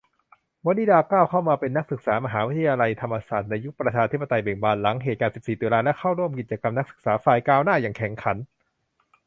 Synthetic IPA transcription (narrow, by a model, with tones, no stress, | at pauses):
mɔː˧˦˥niː˧˩daː˧kaː˥˩wkʰa˥˩wmaː˧pe˧nːa˦˥k̚sɯ˨˩k̚saː˩˦ma˧ɦaː˩˦wi˦˥t̪ʰːa˧ja˧la˧jt̪ʰa˧mːa˧saː˨˩t̪̚na˧jːu˦˥k̚pɾa˧t͡ɕʰaː˧t̪ʰi˦˥pːa˧t̪a˧jbeː˨˩ŋbaː˧nla˩˦ŋɦeː˨˩kaː˧nsi˨˩p̚siː˨˩d̪u˧laː˧lɛ˦˥kʰa˥˩wɾu˥˩əmki˨˩t̪̚t͡ɕa˧ka˧mna˦˥k̚sɯ˨˩k̚saː˩˦faː˧˩jkaː˧wnaː˥˩jaː˨˩ŋkʰɛ˩˦ŋkʰa˩˦n